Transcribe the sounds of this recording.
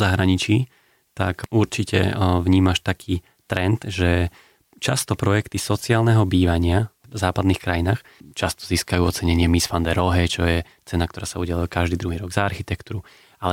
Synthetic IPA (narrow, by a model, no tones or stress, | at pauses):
zaɦɾaɲit͡ʃiː | t̪a̰kuɾt͡ʃicʰɛ̰ʋɲiːmaʃt̪akʰiː | t̪ɾɛnt̪ʒɛ | t͡ʃast̪ɔpɾɔjɛkt̪isɔt͡siaːlˠnɛɦɔbiːʋaɲɪa | zaːpad̪niːxkɾajinaːxt͡ʃast̪ɔ̥ziːskajuːɔt͡sɛɲɛɲɪɛmisfand̪ɛɾɔɦɛt͡ʃɔjɛ | t͡sɛnak̚t̪ɔɾaːsauɟaluakaʒd̪iːd̪ɾuɦiːɾɔɡzaːɾxit̪ɛkt̪uɾu | alɛ